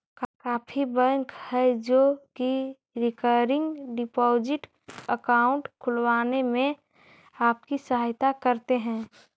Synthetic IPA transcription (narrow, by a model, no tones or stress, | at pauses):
kkaːpʰibə̃ŋkhɛd͡ʒoki | ɾɪkəɾɪ̃ŋɡɖɪpɔːd͡ʒɪʈ | əkaːʊ̃ɳʈkʰʊlwaːnemẽ | aːp̚kisəɦaːjt̪akəɾt̪eɦɛ̃ː